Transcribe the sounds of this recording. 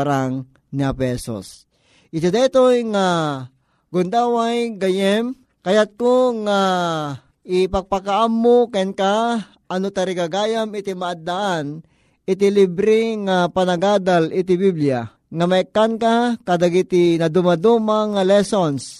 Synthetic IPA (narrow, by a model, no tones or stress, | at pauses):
ɾaŋ | niapɛso̰s | ʔɪt̪id̪ɛt̪ojŋa | ɡʊnd̪awajɡajɛm | kajat̪̚koŋa | ɪpaɡ̚pakaʔamːokɛnka | ʔanot̪aɾiɡaɡaːjamɪt̪imaʔad̪ːaʔan | ʔɪt̪̬ilibɾɪŋapanaɡaːd̪alɪt̪̬ibiblia | ŋamaɛkːankakad̪aɡit̪inad̪umad̪umaŋalɛsons